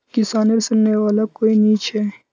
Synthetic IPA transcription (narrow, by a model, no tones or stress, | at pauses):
kɪsaːneɾsʊnːeʋaːlakoːiniːt͡ʃʰe